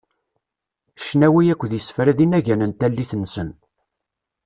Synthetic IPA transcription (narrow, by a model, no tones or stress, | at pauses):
ʃnæwijækʷːðjəsfɾæðinæʝænənt̪ælːiθənːsən